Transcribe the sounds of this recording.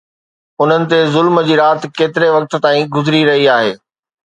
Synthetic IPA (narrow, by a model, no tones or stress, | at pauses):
ʊn̤ənɪ̆t̪ezʊlməd͡ʑiːɾaːt̪ɪ̆keːt̪ɪɾeʋɐk̚t̪̆t̪aːĩɡʊzɪɾiɾɐɦiaːɦeː